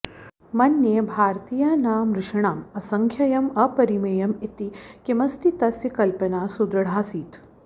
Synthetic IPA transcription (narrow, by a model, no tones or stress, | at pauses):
mɐnːjebʱaːɾt̪iːjanaːmɾɪʂɐɳ̃aːmɐsɐŋkʰjɐjɐmɐpɐɾimɐjɐmit̪ikemɐst̪ʰit̪ɐsjɐkɐlpɐnaːsud̪ɾɐɽ̤aːsiːt̪